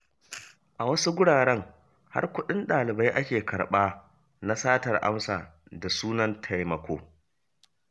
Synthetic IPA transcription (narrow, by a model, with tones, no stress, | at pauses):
ʔa˨wɐ˦su˦ɡʷʊ˦ɽaː˨ɽɛ˦ŋ | ha̰˦rkʷʊ˦ɗɪ˦nɗaː˨lɪ˨ba˦jʔa˦kʲeː˨kɐ˨ɽɓaː˦ | na˦saː˦tɐ˨rʔa̰˦msaː˨ | da˨suː˦nɐ˦ntʰa˦˨jmɐ˨kʷʰoː˦